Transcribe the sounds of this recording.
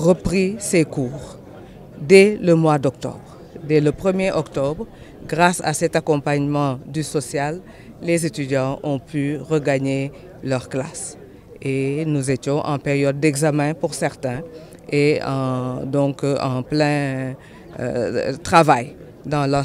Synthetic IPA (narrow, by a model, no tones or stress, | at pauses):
ʁəpʁisekuːʁ | d̪ɛləmwad̪ɔkt̪ɔ̰bʁ | d̪ɛləpχəmjeʔɔkt̪ɔbʁ | ɡʁasa̰sɛt̪akɔ̃paɲmɑ̃d̪ysɔsjalː | ezet̪yd̪jɑ̃ɔ̃pyʁəɡaɲe | lœʁklas | enuzet̪jɔ̃ʔɑ̃peʁjɔd̪̚ːɛɡzamɛ̃puʁsɛʁt̪ɛ̃ | eɑ̃d̪ɔ̃kɑ̃plɛ̃ | t̪χavaj | d̪ɑ̃la